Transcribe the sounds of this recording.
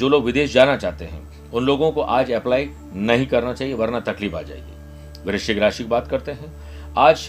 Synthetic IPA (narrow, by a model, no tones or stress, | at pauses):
d͡ʒoːloːɡʋɪd̪eːʃd͡ʒaːnat͡ʃaːɦt̪eɦɛ̰̃ | ʊnloːɡõkoʔaːd͡ʒɛplaːi | nɐɦĩkɐɾnat͡ʃaːɦieʋɐɾnat̪ɐkliːfa̰ːd͡ʒa̰ːḛɡḭː | ʋɪɾɪʃɪɡɾaːʃɪkbaːt̪kɐɾt̪eɦɛ̃ | aːd͡ʒ